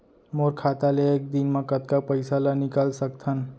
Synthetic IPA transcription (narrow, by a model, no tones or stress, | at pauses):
moːɾkʰaːt̪aleeːk̚d̪inmẽkət̪kapəɪsalanɪkəlsəkt̪ʰən